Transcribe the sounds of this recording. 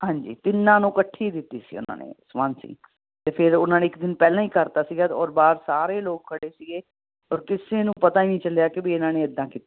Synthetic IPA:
ɦãːɲd͡ʒḭːt̪ɪnːãːnũːkəʈʰːiːd̪ɪt̪ːiːsḭːʊ̰nã̰ːnḛːsmaːnsḭː | t̪eːpʰɪɾʊnãːneːɪkd̪ɪnpɛːlãːiːkəɾt̪aːsiːɡaːt̪ɔːɾbaːɾsaːɾeːloːk̚kʰəɽeːsiːɡeː | ɔːɾkɪseːnũːpət̪aːiːnĩːt͡ʃəljaːkɪbiːɪnãːneːɪd̪ːãːkiːt̪ːi

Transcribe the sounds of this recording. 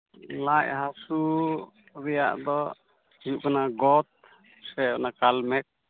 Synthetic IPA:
laʔɦasu | ɾɛja̰ʔd̪ɔ | iuʔkanaɡɔt̪̚ | sɛbnakalmɛk̚

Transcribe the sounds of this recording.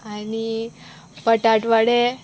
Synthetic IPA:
ani | pəʈaʈʋaɽe

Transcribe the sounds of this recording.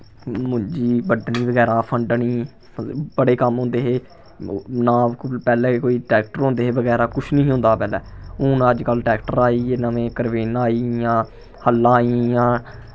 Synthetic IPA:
mʊ̃d͡ʒiːbəɖɳiːbəɡɛːɾãːpʰəɳɖɳiː | bəɽeːkəmɦõːnd̪eːɦeː | nãːpɛːlɛ̃ːkoːiːʈɛːk̚ʈəɾɦõːnd̪eːɦeːbəɡɛːɾaːkʊt͡ʃʰnəĩːɦõːnd̪aːpɛːlɛːũːnaəd͡ʒkəlʈɛːkʈəɾaːiːenamẽːkəɾʋeːnaːiːjãː | həlːãːijãː

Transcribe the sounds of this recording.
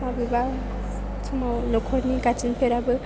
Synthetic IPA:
mabiba | t͡ʃʰumawnɔkʰɔɾnikat͡ʃinpʰeɾabɯ

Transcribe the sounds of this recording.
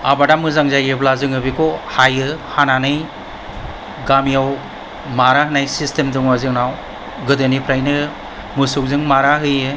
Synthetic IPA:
abadamɯzaŋzajɯblazɯŋɯbikʰɔhajɯhananɯj | ɡamijaw | maɾaɦɯnajsistemdɯŋwazɯŋnaw | ɡɯdɯnipʰɾajnɯ | mɯsuk̚zɯŋmaɾaɦɯjɯ

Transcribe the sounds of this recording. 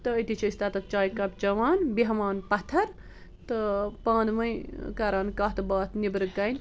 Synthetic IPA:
t̪ɨəjt̪it͡ʃʰɐist̪ɐt̪ɐt̪̚t͡ʃaːjkɐpt͡ʃɐʋaːnbiɦɐmaːnpɐt̪ʰɐɾ | t̪əpãːnd̪mɐjkaɾaːnkaːɦt̪ɨbaːt̪ʰnibɾɨkːɐjn

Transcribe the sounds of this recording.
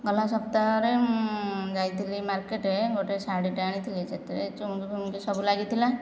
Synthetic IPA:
ɡɔlasɔpt̪aɾe | d͡ʒajt̪ʰilimaɾkeʈeɡoʈesaɖiʈaɽ̃it̪ʰilet͡ʃʰet̪ɾet͡ʃuukipumkesɔbulaɡit̪ʰila

